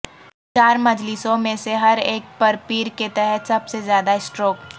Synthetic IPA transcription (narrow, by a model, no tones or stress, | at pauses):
t͡ʃaːɾmɐd͡ʒlisõmẽseɦɐɾeːk̚pɐɾpiːɾket̪ɛɦɛt̪sɐbsezjaːd̪aɪsʈɾoːk